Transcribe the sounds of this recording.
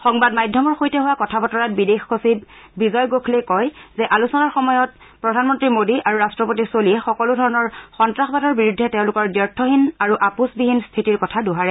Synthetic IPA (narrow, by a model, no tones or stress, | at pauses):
xɔŋbadmajdʱːɔmɔɹxojtɛɦʊwakɔtʰabɔtɔɹat̚bidexkosib | bizɔjɡokʰlekɔjzɛʔalusɔnaɹxɔmɔjɔt̚ | pɹɔdʱanmɔntɹimodiʔaɹuɹastɹɔpotisoliɛxɔkɔlʊdʱɔɹɔnɔɹxɔntɹaxbadɔɹbiɹudʱːɛtɛʊ̃lʊkɔɹdjɔɹtʰɔɦinaɹuʔapusbiɦinstʰitiɹkɔtʰaduɦaɹɛ